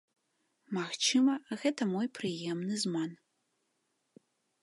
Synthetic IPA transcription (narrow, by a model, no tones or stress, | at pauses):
maxt͡ʃʰɨmɐɣɛtʰɐmojpʰrɨjemnɨzman